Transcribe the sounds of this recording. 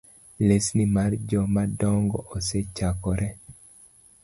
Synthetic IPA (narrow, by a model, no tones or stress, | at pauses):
lesnimard͡ʒɔmadɔŋɡɔʔːset͡ʃakɔɾʔɛ